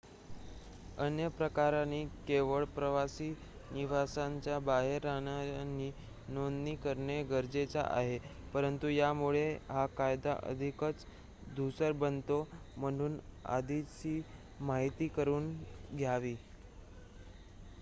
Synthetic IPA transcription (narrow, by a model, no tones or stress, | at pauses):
ənjəpɾəkaɾaniːkeʋəɭpɾəʋasiː | niʋasaɲt͡ɕjabaɦeɾːañani | nond̪nikəɾɳeɡəɾd͡zet͡sa̰ʔa̰ɦepəɾənt̪ujamuɭeɦakajd̪a̰ʔə̰d̪ʱikət͡s | d̪ʱusəɾbənt̪om̤əɽ̃uːna̰d̪ʱit͡ɕiː | maɦit̪iːkəɾuːnɡʱjaʋiː